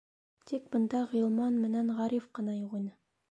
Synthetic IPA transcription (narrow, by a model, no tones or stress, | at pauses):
t̪ik̚bɤ̆nd̪ɑʁilˠmɑnmɘ̆nænʁɑɾifqɤ̆nɑjuʁinɤ